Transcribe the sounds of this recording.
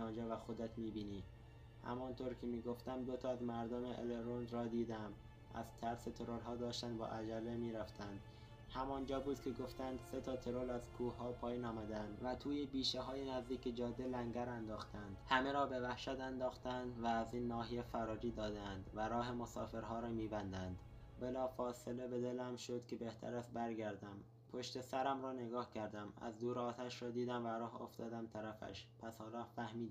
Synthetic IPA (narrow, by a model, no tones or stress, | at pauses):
ɒːnd͡ʒɒːvæxod̪æt̪miːbiːniː | hæ̰mɒːnt̪ʰoɾcʰemiːɡo̞ft̪æmd̪o̞t̪ʰɒːæzmæɾd̪omeʔḛleɾonɾɒːd̪iːd̪æm | æ̰z̥t̪ʰæɾset̪ʰo̞ɾoɾɦɒːd̪ɒːʃt̪ænd̪bɒ̰ːʔæd͡ʒælːemiːɾæft̪ʰænd̪̥ | hæmɒːnd͡ʒɒːbuːd̪̥̚kʲʰeɡo̞ft̪ænd̪set̪ʰɒːt̪ʰe̞ɾolæz̥kʰuːɦɒːpʰɒːjiːnɒːmæd̪ænd̪væt̪ʰuːjebiːʃeɦɒːjenæzd̪iːkcbed͡ʒɒːd̪ːelæŋɟæɾænd̪ɒːxt̪ʰænd̪̥hæme̞ɾɒːbe̞væhʃæt̪ænd̪ɒːxt̪ænd̪væːziːnːɒːhejefæɾɒːɾiːd̪ɒːd̪eænd̪væɾɒːɦe̞mosɒːfe̞ɾɦɒːɾɒːmiːbænd̪ænd̪ | belɒːfɒːse̞le̞be̞d̪elæmʃod̪kcʰʲe̞be̞ht̪ʰæ̰ɾæst̪̚bæɾɡæɾd̪æm | pʰoʃt̪e̞sæɾæmɾɒːne̞ɡɒːhcʰæɾd̪æmæ̰zd̪uːɾɒːt̪ʰæʃɾɒːd̪iːd̪æmvæɾɒːɦo̰ft̪ɒːd̪æmt̪ʰæɾæfæ̰ʃpʰæshɒːɾɒːfæhmiːd̪